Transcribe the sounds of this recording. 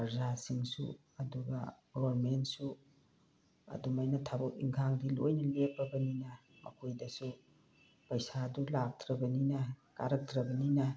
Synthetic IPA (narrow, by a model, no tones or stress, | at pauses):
pɐɾzasiŋsṵ | ɐduɡɐ̰ɡobɐɾmentsu | ɐ̰dumajnɐtʰabɐk̚ḭŋkʰaŋdilojnɐlepːɐbɐninɐ | mʔɐ̰kʰojdɐsu | pɐjsadulak̚tɾɐbɐninɐka̰ɾɐk̚tɾɐbɐninɐ